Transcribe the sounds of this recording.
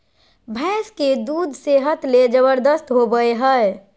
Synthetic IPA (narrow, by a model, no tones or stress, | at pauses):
bʱɛsked̪ud̪ʱseɦət̪led͡ʒəβəɾd̪əst̪ɦobəeɦəe